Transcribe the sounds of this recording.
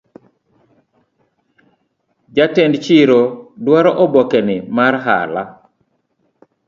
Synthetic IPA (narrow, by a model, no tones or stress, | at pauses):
d͡ʒatɛndt͡ʃɪɾodwaɾɔʔɔbɔkɛnɪmarɦa̰la